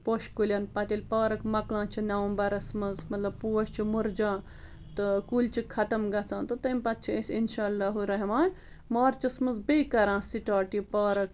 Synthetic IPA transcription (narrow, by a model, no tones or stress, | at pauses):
poːʃkulʲɐnpɐt̪ilʲpaːɾɐkmɐklãːt͡ʃʰinɐʋɐmbɐɾɐsmɐzmɐt̪lɐb̚puːɐʃt͡ʃʰimuɾd͡ʒãː | t̪ɨkuːlʲt͡ʃʰikʰɐt̪ɐmɡɐt͡sʰãːnt̪ɨt̪ɐmʲpɐt̪̚t͡ʃʰiɐsʲinʃaːlːaːɦuɾɐɦmaːnʲ | maːɾt͡ʃɐsmɐzbeːkɐɾãːsiʈaːʈipaːɾɐk